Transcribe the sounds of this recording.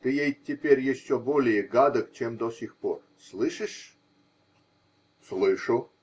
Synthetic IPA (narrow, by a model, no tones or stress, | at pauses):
t̪ɨjejtʲɪpʲeɾʲjɪɕːobolʲɪjəɡad̪əkt͡ɕemd̪osʲixpo̰r | slˠɨʂɨʂ | slˠɨʂʊ